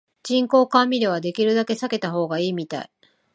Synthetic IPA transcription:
d͡ʑĩŋko̞ːkãmʲiɾeβ̞ad̪e̞kʲiɾɯ̟d̪ake̞sake̞t̪aɦo̞ːɡaiːmʲit̪a̰i

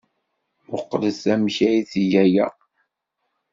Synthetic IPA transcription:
ʊqːləsæmçæjiθijæjæ

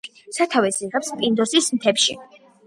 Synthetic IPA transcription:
sat̪ʰavɛsiʁɛpspʼind̪ɔsismt̪ʰɛpʃḭ

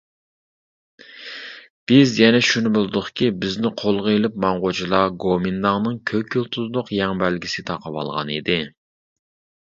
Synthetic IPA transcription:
b̥ɪzjɛnɛʃunɪbolˠɨd̪ʊχkʲibɪznɪqʰolˠʁəilˠɪp̚mɑɴʁod͡ʒilˠɑɡomɪnd̪ɑŋnɨŋkʲʰøkʲʰːylˠt̪ʰulɨd̪ʊqjɛŋbælɡʲisɪt̪ʰɑqəwɑ̰lˠʁɑ̰nid̪ɪ

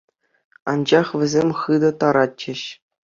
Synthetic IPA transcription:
ɑ̰nd͡ʑɑχʋʲɘ̆zʲemʲχɯd̪ɤ̆t̪ɑɾɑt͡ɕːɘ̆ɕ

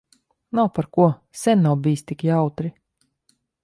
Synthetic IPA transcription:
nawpaɾkuɔ | sʲɛnːawbijst̪ikjawt̪ɾi

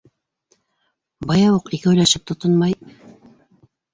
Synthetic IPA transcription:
bɑjɑwuqikɘɵ̆jlæʃɘp̚t̪ŏt̪onmɑj

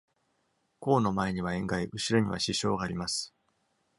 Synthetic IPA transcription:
ko̞ːno̞mae̞ɲ̟iβ̞aẽ̞ŋɡaiʔɯ̟ɕiɾo̞ɲ̟iβa̰ɕiɕo̞ːɡaːɾʲimasɨ̥

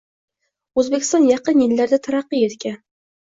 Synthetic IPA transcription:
ɵzbekʲɪ̥̆st̪ɑnjɑqɤnjɘ̆lːæɾd̪æt̪ʰɑɾɑqːijet̪kʲæ

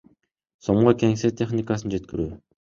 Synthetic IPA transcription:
soɴʁokʲeŋset̪ʲʰe̞χnʲɪkasɯnd͡ʒe̞t̪̚kiɾyː

